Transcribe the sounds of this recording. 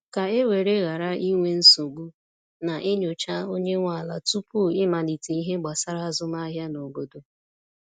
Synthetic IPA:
ka˨e˦we˨ɾe˦ɣa˨ɾa˦ʔi˦ŋʷe˦n̩˦so˨ɡu˦ | na˨ʔe˦ɲo˨t͡ʃa˦o˦ɲe˦ŋʷa˦˨la˨tu˦pu˦ɪ˦ma˨ni˨te˨˦i˦ɦe˦ɡ͡ba˨sa˦ɾa˦a˦zʊ˦ma˦ɦja˦no˨ɡo˨do˦

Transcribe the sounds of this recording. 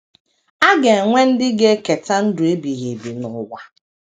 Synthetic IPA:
a˦ɡe˨ŋʷe˦n̩˦dɪ˦ɡe˦ke˨ta˦n̩˦dʊ˨e˦bi˨ɣe˨bi˨nʊ˨wa˦

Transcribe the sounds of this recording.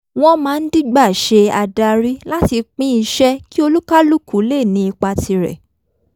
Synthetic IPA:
w̃ɔ̃˦mãː˨˦˧n̩˦di˦ɡ͡ba˦˨ʃe˧a˧da˧ɾi˦la˦ti˧k͡pĩ˦i˧ʃɛ˦ki˦o˧lu˦ka˦lu˦˨ku˨˦le˦˨nĩ˧˦i˧k͡pa˧tʰi˧ɾɛ̰˨

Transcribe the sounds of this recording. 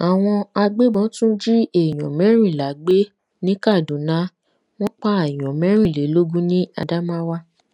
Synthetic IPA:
a˨w̃ɔ̃˧a˧ɡ͡be˦bɔ̃˨˦tũ˦d͡ʒi˦e˨j̃ɔ̰̃˨mɛ̃˨˦ɾ̃ĩ˦˨la˨˦ɡ͡be˦ | nĩ˦ka˦˨dũ˨˦nã˨˦ | w̃ɔ̃˦k͡pa˦a˨j̃ɔ̃˨mɛ̃˨˦ɾ̃ĩ˦˨le˨˦lo˦ɡũ˦nĩ˦a̰˧da˦mã˦wa˦

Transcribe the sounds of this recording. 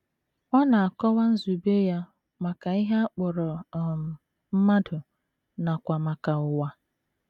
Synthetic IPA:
ɔ˦na˨a˨kɔ˦wa˦n̩˦zu˨be˦ja˦ | ma˨ka˨i˦ɦa˦a˦k͡pʊ˨ɾɔ˨ | m̩˦ma˦dʊ˨ | na˨kʷa˨ma˨ka˨ʊ˨wa˦

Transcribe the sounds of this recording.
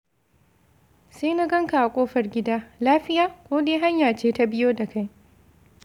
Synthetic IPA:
seː˦na˦ɡɐ˦ŋka˨ʔa˨kʷʼoː˦ɸɐ˨rɡʲɪ˦daː˦laː˦ɸɪ˦jaː˦kʷoː˦deː˦ɦa˦ɲjaː˨t͡ʃeː˦ta˦bɪ˦joː˦da˨ka˦j

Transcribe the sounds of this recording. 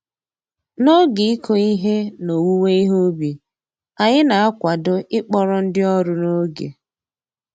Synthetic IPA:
no˦ɡɪ˨i˦kʰo˦i˦ɦe˦no˨wu˦we˦i˦ɦo˦bi˨ | a˨ɲɪ˦na˨a˦kʷa˨dʊ˦ʔɪ˦k͡pɔ˦ɾɔ˦n̩˦dɪ˦ɔ˦ɾʊ˨no˦ɡḛ˨

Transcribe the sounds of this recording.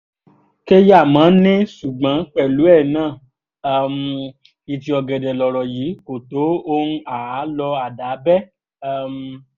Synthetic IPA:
ke˦ja˦˨mã˨˦nẽ˦su˨ɡ͡bã˨˦k͡pɛ˦˨lu˨˦ɛ˦˨nãː˦˨˧ | m˧ | i˧ti˧ɔ˧ɡɛ˨dɛ˨lɔ˨ɾɔ˨ji˨˦ko˨to˨˦o˦ñ˦a˨a˨˦lɔ˧a˨da˨˦bɛ˦˧ | m˧

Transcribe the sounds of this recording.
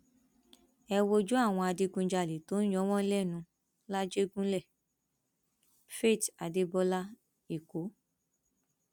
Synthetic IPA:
ɛ˧wo˧d͡ʒu˦a˦˨w̃ɔ̃˧a˧de˧˦ɡũ˧d͡ʒa˧˨le˨to˨˦n˦j̃ɔ̃˦w̃ɔ̃˦lɛ˦˨nũ˧ | la˦d͡ʒe˦ɡũ˦lɛ˦˨ | fe˦˨ta˨de˦bɔ˦la˦ | i˦˨ko˨˦

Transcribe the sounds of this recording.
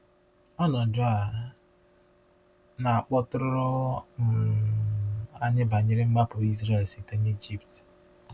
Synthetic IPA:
ɔ˦nɔ˨dʊ˦a˨ | na˨a˨k͡pɔ˦tʊ˦ɾʊ˦ɾɔ˦m̩˨ | a˦ɲɪ˦ba˨ɲɪ˦ɾɪ˦m̩˦ɡ͡ba˦pʊ˨i˦zɾe˦˨lsi˨ta˦ɲe˦d͡ʒi˦pt

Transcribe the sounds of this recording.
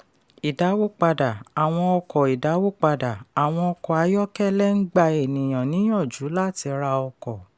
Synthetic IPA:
i˨da˨˦wo˦k͡pa˧da˨a˨w̃ɔ̃˧ɔ˧kɔ˨i˨da˨˦wo˦˨k͡pa˧da˨a˨w̃ɔ̃˧ɔ˧kɔ˨a˨˧˦jɔ˦kɛ˦lɛ˦ŋ̩˦ɡ͡ba˧e˨nĩ˨j̃ã˨nĩ˨˦j̃ɔ̃˦˨d͡ʒu˨˦la˦˨ti˧ɾa˧ɔ˧kɔ˨

